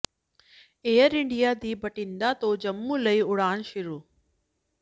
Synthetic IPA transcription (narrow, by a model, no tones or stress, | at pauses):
eːəɾɪ̃ɳɖijad̪iːbɐʈĩːnd̪at̪oːd͡ʑɐmːũːləiʊɽaːɽ̃ʃʊɾuː